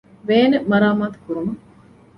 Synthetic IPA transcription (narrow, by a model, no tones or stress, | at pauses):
ʋeːnemɐɾaːmaːt̪u̥kuɾumɐ